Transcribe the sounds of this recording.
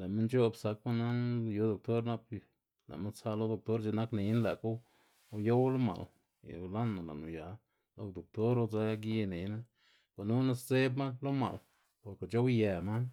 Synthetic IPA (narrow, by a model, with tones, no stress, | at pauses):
la˨me˦nt͡ʃo˦˧bsa˧k̚ma˦na˦njo˨˦d̪o˨k̚t̪o˦ɾna˧p | la̰˨ʔma˦nt͡sa˧lo˦d̪o˧˨k̚t̪o˦ɾd͡ʒe˧na˦kne˨˧jna˦la˨ku˦˧ | jo˦wlo˦ma̰˨l | ja̰˨˧la˦nːa˨la̰˨ʔnu˨ja˨˧ | lo˧kd̪o˨k̚t̪o˦ɾo˧d͡za˧˦ɡi˦˧ne˨˦na˦ | kʷa˨nu˦na˦sze˦bma˦lo˦ma̰˨l | po˨ke˨t͡ʃo˦wje˨ma˦